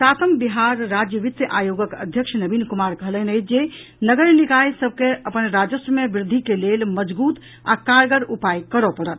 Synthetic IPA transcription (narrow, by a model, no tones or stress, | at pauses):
sat̪əmbiɦaɾːad͡ʒjəʋit̪jəʔajoɡəkə̰d̪ʱjəkʃʰnəbinkumaɾkəɦələnəjt͡ʃʰd͡ʒe | nəɡəɾnikajsəb̚ʱkeəpənɾad͡ʒəsɾəmebɾɪd̪ʱːikelelməd͡ʒbut̪ | a̰kaɾɡəɾupajkəɾɔpəɽət̪̚